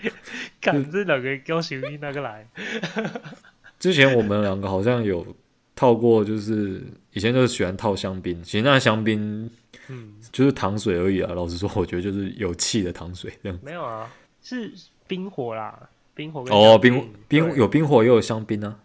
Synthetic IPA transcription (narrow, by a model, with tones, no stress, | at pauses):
ka˨˩nt͡s̩˥˩ljɑ˨˩ŋɡə˦kjɑ˥ʊɕi˧i˥˧na˥˧ɡə˨la˧˦ɪ | ʈ͡ʂɻ̩˥t͡ɕʰjɛ˧˥˦nwɔ˨˩mə˨˦nljɑ˨˩ŋɡə˧˦xɑ˨˩ʊɕjɑ˥˩ŋjo˨˩ʊ | t̪ʰɑ˥˧ʊkwɔ˥˧t͡ɕjo˥˧ʊʂɻ̩˥˩i˨˩ɛ˧˦t͡ɕo˥˧ʂ̩˥˩ɕi˨˩wa˧˦nt̪ʰɑ˥˩ʊɕjɑ˥ŋpi˦˥nt͡ɕʰi˧˥ʂ̩˧na˥˧˩ɕjɑ˥ŋpi˥n | t͡ɕjo˥˧ʊʂɻ̩˥˩t̪ʰɑ˧˥ŋswe˨˩ɪə˧˥i˨˩lɐ̰˦lɑ˨ʊʂɻ̩˧˥s̬wɔ˥wɔ˨˩t͡ɕɥɛ˧˥d̪ə˧t͡ɕjo˥˧ʊʂɻ̩˥˩jo˨˩ʊt͡ɕʰi˥˩d̪ə˩t̪ʰɑ˧˥ŋswe˨˩ɪte˧ɑ˥˩ŋme˧˦jo˨˩˧ | ʂɻ̩˥˩ | pi˥nxwɔ˨˧˥la̰˧ | pi˥ŋxwɔ˧˦kɔ˥˧pi˥ŋwpi˥ŋ˧˩jo˨˩ʊpi˥ŋxwɔ˨˩jɛ˧˥ɪjo˨˩ɕjɑ˥ŋpi˥nɐ˨